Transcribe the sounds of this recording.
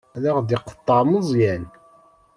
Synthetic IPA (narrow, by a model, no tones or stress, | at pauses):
ðaʁd̪iqə̥t̪ˤːɑməzˤjæn